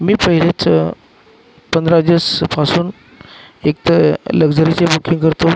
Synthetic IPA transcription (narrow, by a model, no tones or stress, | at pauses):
miːpəɦilet͡s | pənd̪ɾad͡ʑispasuːn | ekt̪ləɡd͡zəɾit͡ɕebukʰiŋkəɾt̪o